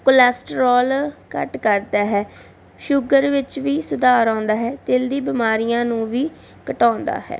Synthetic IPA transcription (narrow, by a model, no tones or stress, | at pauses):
kʊlɛːsʈəɾɔːlkə̰ʈkəɾd̪aːɦɛː | ʃʊɡəɾʋɪt͡ʃʋiːsʊd̪aːɾãːnd̪aːɦɛːt̪eːld̪iːbɪmaːɾɪjãːnũːʋiː | kəʈãːnd̪a̰ːɦɛ̰ː